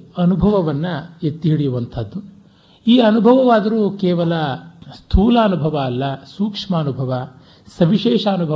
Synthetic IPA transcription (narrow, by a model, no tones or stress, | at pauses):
ɐnubʱɐʋɐʋɐnːɐet̪ːiɦiɽijuʋɐnt̪ʰɐd̪ːu | iːɐnubʱɐʋɐʋaːd̪ɐɾuːkeːʋɐlɐst̪ʰuːlaɐnubʱɐʋɐːlːɐsuːkʂmaːnubʱɐʋɐ | sɐʋiʃeːʂaɐnubʱɐ